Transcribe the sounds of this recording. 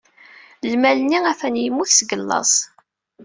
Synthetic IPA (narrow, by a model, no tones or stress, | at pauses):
lmælniæfænjəmːuθsɡəlːɑ̰sˤ